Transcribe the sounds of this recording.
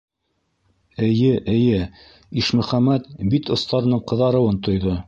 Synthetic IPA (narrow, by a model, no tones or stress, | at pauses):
ɘ̆jɘʔɘ̆jɘ | iʃmɵ̆χæmæt̪̚bit̪ŏst̪ɑɾɤ̆nɤɴqɤ̆ðɑɾɤ̆wɤnt̪ŏjðo